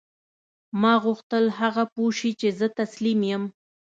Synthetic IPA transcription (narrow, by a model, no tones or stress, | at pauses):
mɑɣʊxt̪əlhaɣapuʃit͡ʃezət̪aslimjəm